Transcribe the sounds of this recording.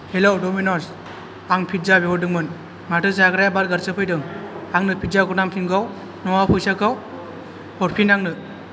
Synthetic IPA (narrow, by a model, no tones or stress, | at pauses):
helɔwdɔminɔs | aŋpʰitzabeɔdɯŋmɯn | matɯzaɡɾajabaɾɡaɾsɯpʰɯjdɯŋaŋnɯpʰizaɡɔnamkʰinɡaw | nɔwapʰɔjsakaw | ɔɾpʰinaŋnɯ